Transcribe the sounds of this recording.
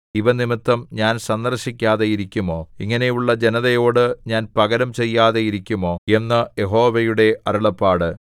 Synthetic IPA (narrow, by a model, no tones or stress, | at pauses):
iʋɐnimit̪ːɐmɲaːnsɐnd̪ɐrɕikʲːaːðejiɾikʲːumo̞ːiŋːɐne̞juɭːɐd͡ʑe̞nɐðɐjo̞ːɽɨɲaːnpɐɣɐɾɐmt͡ɕe̞jːaːðejiɾikʲːumo̞ːe̞nːɐje̞ɦo̞ːʋɐjuɽe̞ɐɾuɭɐpːaːɽɨ